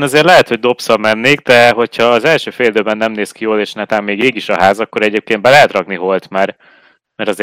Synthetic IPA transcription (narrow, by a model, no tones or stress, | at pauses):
nɒzeːrlɛɦɛt̪ho̞ɟ̚d̪o̞psɒbmɛnːeːɡ̚d̪ɛɦo̞chɒːzɛlʃøːfeːld̪øːbɛnːɛmneːskijoːleːʃnɛt̪aːmːeːɡeːɡiʃɒɦaːzɒkːo̞ɾɛɟeːp̚keːn̚bɛlɛɦɛt̪ɾrɒkniɦo̞lt̪maːr | mɛɾɒze